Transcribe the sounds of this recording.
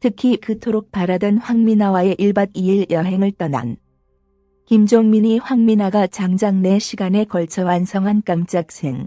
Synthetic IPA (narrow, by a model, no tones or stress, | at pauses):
tʰɯkʰikɯtʰoɾok̚paɾadʌnɸwaŋminawae̞ʔiɭbadiiɭjʌɦe̞ŋɯɭt͈ʌna̰n | kimd͡ʑoŋmiɲiɸwaŋminaɡat͡ɕaŋd͡ʑaŋne̞ɕʰiɡane̞kʌɭt͡ɕʰʌwansʰʌŋɦank͈amt͡ɕ͈ak̚sʰe̞ŋ